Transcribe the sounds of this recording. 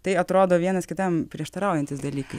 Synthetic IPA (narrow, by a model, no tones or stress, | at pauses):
t̪ɐɪɐt̪ɾoːd̪oːʋʲiɛnɐskʲɪt̪ɐmpʲɾʲiɛʃt̪ɐɾɑˑʊjɛnʲt̪ʲɪsd̪ɐlʲiːkɐɪ